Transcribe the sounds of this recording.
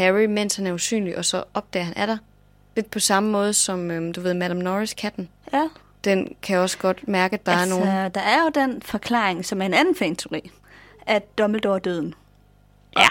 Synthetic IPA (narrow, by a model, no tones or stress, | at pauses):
hæʁimen̰shænɐusy̰ːnliʔɒ̽sɒ̽ʔɒ̽b̥̚d̥ɛ̰ːɐɦænʔæd̥ɑ̈ɪ | le̝d̥̚pʰɒ̽sɑ̈məmɔ̽ːð̞ˠəsɒ̽mød̥uʋe̝ð̰ˠmæɾ̥ɑmnɒʁiskʰæd̥n̩ | d̥enkʰæjɒ̽sɡ̥ɒ̽d̥mæɐɡ̥əd̥ɑ̈æɐno̝ːn̩d̥ɑ̈æɐjo̝d̥enfɒ̽kʰlɑ̰̈ːeŋsɒ̽mæɐe̝nænn̩fḛnt͡sʰe̝ʊʁḭː | ʔæd̥ɒml̩d̥ɒ̰ːd̥øðˠn̩ | æ